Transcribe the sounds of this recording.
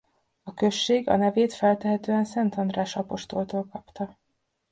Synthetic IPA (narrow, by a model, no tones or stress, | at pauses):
ɒkø̞ʃːeːɡɒ̰nɛveːt̪fɛlt̪ɛɦɛt̪øːɛnsɛnt̪ɒnd̪raːʃɒpo̞ʃt̪o̞lt̪oːlkɒpt̪ɒ